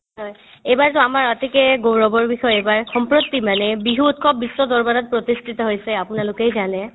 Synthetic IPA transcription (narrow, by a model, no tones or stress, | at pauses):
ɦɔj | ejbaɹtɔamaɹɔtikɛɡowɹɔbɔɹbixɔjejbaɹxɔmpɹot̪ːimanɛbiɦuːtkʰɔp̚ːisːɔd̪ɔɹbadat̚pɹot̪istʰit̪ɔɦojsɛapʊnalʊkejzanɛ